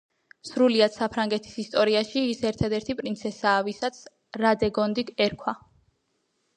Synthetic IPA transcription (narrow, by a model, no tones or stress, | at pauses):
sɾuliad̪̥sapʰɾaŋɡɛt̪ʰi̥sist̪ʼɔɾiaʃiːsɛɾt̪ʰad̪ɛɾt̪ʰipʼɾint̪sʰɛsaːvisat̪sʰ | ɾad̪ɛɡɔnd̪iɡɛɾkʰwa